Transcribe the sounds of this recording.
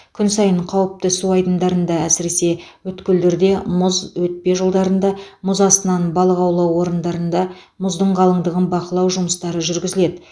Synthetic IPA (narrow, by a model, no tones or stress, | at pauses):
kʲʰʏnsɑjəɴqʰɑwəp̚t̪əsuɑjd̪ənd̪ɑɾənd̪ɑæsɪɾe̞se̞wɵt̪kʲɪld̪eɾd̪e̞mʊzwɵt̪̚pe̞ʒəlˠd̪ɑɾənd̪ɑmʊzɑst̪ənɑnbɑlˠəʁɑwlˠɑwːo̞ɾənd̪ɑɾənd̪ɑ | mʊzd̪əɴʁɑlˠəɴd̪əʁənbɑqəlˠɑwʒʊməst̪ɑɾəʒʏɾɡʲɪzɪle̞d̪ɪ